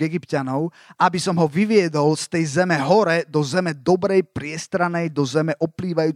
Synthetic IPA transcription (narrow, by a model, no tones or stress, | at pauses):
ɛɡipcanɔʊ | ʔabisɔmɦɔʋiʋɪɛd̪ɔlst̪ɛjzɛmɛɦɔɾɛd̪ɔzɛmɛd̪ɔbɾɛjpɾɪɛst̪ɾanɛjd̪ɔzɛmɛʔɔpliːʋajuː